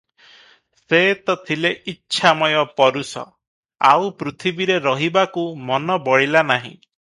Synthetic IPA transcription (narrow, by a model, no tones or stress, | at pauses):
set̪ɔt̪ʰileʔitːʃʰamɔjɔpɔɾusɔ̰ | a̰wpɾut̪ʰibiɾeɾɔɦibakumɔnɔbɔɽilanaɦḭ̃